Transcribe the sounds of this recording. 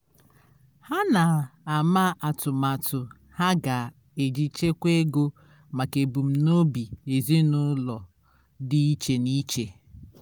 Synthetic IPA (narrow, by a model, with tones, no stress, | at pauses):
ha˦na˨a˨ma˦ʔa˨tʊ˨ma˨tʊ˨ | ha˦ɡa˨ | e˨d͡ʒi˨t͡ʃe˦kʷe˦ɡo˦ | ma˨ke˨bu˨m̩˦no˦bi˨e˨zi˦nʊ˦lɔ˨ | dɪ˦i˦t͡ʃe˨ni˦t͡ʃe˨